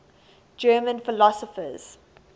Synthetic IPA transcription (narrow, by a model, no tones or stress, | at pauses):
d͡ʒɜːmə̃nfɪlɔsəfə̰z̥